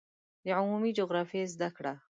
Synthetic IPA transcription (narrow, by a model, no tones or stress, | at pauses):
d̪əʕʊmumid͡ʒoɣɾɑfijezd̪akɽa